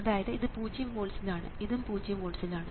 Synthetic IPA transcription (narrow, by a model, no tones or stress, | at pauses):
ɐðaːjɐðɨiðɨpuːd͡ʑijɐmʋoːɭsilaːɳɨ̰iðumpuːd͡ʑijɐmʋoːlsilaːɳɨ